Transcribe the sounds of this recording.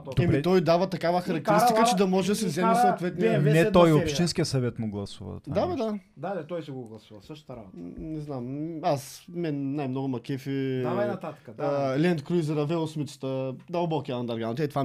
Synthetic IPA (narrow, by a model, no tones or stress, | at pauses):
ɛmit̪ɔjd̪avɐt̪ɐkavəxɐɾɐk̚t̪ɛɾist̪ikət͡ʃɛd̪ɐmɔʒɛd̪ɐsɛvzɛmɛsoːt̪vɛt̪niɛt̪ɔjopʃt̪inskʲijəsɐvɛt̪mʊɡlˠɐsuvɐ̰d̪ad̪ad̪ad̪alɛt̪ɔjsɛɡoɡlˠɐsuvɐsəʃt̪t̪ɐɾa̰bot̪nɛznamasmɛnnajmnɔɡʊmɐkɛfɛanɐt̪at̪kəd̪lʲɛnt̪kɾuzɛɾɐvɛlˠosmit̪sə̥t̪əd̪ɐlˠbɔkiɐɐnd̪ɐɾɡanot̪ɛt̪va